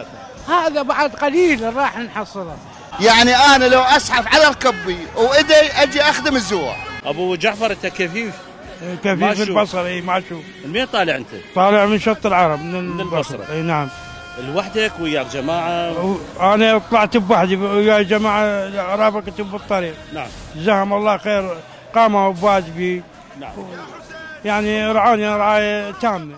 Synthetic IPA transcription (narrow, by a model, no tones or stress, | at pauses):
haːðabaʕad̪qaliːlɾˤɑːħnħɑsˤːɨla | jaʕniʔaːnalawʔasʕafʕalaɾˤkɪbːiwʔɪd̪ajʔad̪iʔaxd̪əmɪzːuwa̰ʔabud͡ʒaʕfɑɾˤɪt̪ːakafiːf | kafiːfɪlbɑsˤɑɾˤʔiːmaʃuː | mit̪ˤɑːlɪʕənt̪at̪ˤɑːlɪʕmənʃɑɾt̪ˤəlʕɑɾˤɑbmɪnlbɑsˤɾ̰ˤnaʕam | ɪlwaħd̪akwɪjaːkd͡ʒamaːʕawʔanat̪ˤɑlɑʕt̪bwaħd̪iɪjːaːkd͡ʒamaːʕaɾˤɑːbakat̪ubːɨt̪ˤːɑɾiːq̚naʕm | zahamɑlˤːɑːhxeːɾ | qɑːmabwaːd͡ʒbi | naʕw | jaʕniɾˤʕaːniɾˤʕaːjat̪aːmna